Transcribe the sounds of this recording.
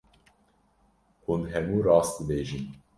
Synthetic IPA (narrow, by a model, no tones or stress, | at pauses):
hunɦɛmuːɾɑːs̚d̪ɨbeːʒin